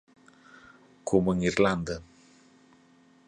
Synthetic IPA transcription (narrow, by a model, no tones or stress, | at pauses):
kʰoməŋiɾland̪ə